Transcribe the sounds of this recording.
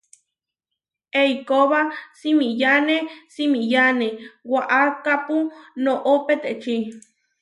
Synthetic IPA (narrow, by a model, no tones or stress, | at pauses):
eikoβasimĩjanesimĩjanẽwaʔakapunõʔopet̪et͡ʃi